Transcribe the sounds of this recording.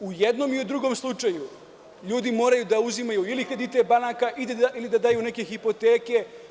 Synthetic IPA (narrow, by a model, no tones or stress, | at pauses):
ujed̪no̞miud̪ɾuɡo̞mslˠut͡ʃaju | ʎuːd̪imo̞ːɾajud̪auzimajuilixɾed̪it̪ebanakaʔid̪eailid̪ad̪ajune̞ke̞xipo̞t̪e̞ːke̞